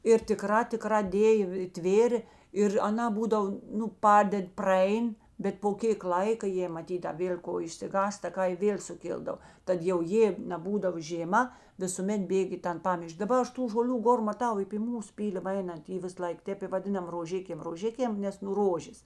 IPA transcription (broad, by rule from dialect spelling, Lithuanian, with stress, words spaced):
ɪr tʲɪˈkrɑː tʲɪˈkrɑː ˈdʲeːjoː ɪ ˈtʲʋʲeːrʲeː ɪr ɐˈnɑː ˈbuːdɐw ˈnʊ ˈpɑːdʲɛtʲ prɐˈɛɪn bʲɛt poː ˈkʲeːk ˈlˠɐɪkɐ ˈjeː mɐˈtʲiːt ɐ ˈʋʲeːlʲ ˈkoː ɪʃʲsʲɪˈɡɑːstɐ ˈkɐ ɪ ˈʋʲeːlʲ sʊˈkʲɪlˠdɐw ˈtɐt jɛʊ ˈjeː nʲɛˈbuːdɐʋoː ʒʲeːˈmɐ ʋʲɪsʊˈmʲɛt ˈbʲeːkʲ iː ˈtɐn ˈpɑːmʲɪʃʲkʲ dɐˈbɐ ˈɐʃ ˈtuː ʒoːˈlʲuː ˈɡoːr mɐˈtɐʊ ɪ pʲiː ˈmuːs ˈpʲiːlʲɪmɐ ˈɛɪnɐnt ˈiː ˈʋʲɪs ˈlˠɐɪk ˈtʲeːp ɪ ʋɐˈdʲɪnɐm roːˈʒʲɪkʲeːm roːˈʒʲɪkʲeːm ˈnʲɛs nʊ ˈroːʒʲeːs